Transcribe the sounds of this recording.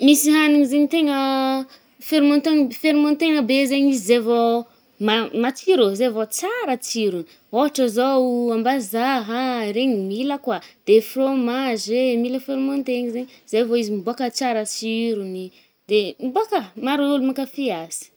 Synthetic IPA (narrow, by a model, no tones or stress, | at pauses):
misiɦaniŋizeɲit̪eŋə | feɾmɔ̃nt̪eŋfeɾimɔ̃nt̪eŋəbezeɲizizevo | mamat͡siɾozevot͡saɾət͡siɾuni | oɦaʈ͡ʂəzoambazaɦaɾeɲimiləkwad̪̥efromazemiləfeɾimõnt̪eŋzeɲzevoizimibuakət͡saɾət͡siɾuni | d̪emibuakəmaɾulumakafeaz̥i̥